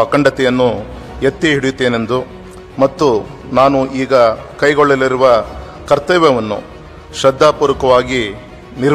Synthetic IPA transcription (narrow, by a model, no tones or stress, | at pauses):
ɐkɐɳɖɐt̪ɛjɐnːu | jet̪ːiɦiɽujut̪ːeːne̞nd̪u | mɐt̪ːu | naːnuʔiːɡɐkɐjɡoɭːɐliɾuʋɐ | kɐɾt̪ɐʋɐʋɐnːṵ | ʃɾɐd̪ʱːaːpuːɾɐkɐʋaːɡi | niɾ